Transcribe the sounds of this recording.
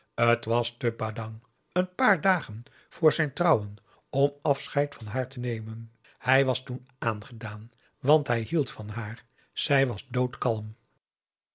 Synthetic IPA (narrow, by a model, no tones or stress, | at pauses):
ətʋɑstəbaːdɑŋ | ənpaːɹdaːχən | v̥ʊːɹzɛjntrʌwən | ɔmɑfsχɛjtfɑnɦaːɹtənejmən | hɛjʋɑstun | aːnχədaːn | ʋɑntɦɛjɦilˠtfɑnɦaːɹ | z̥ɛjʋɑzdowtkɑlˠm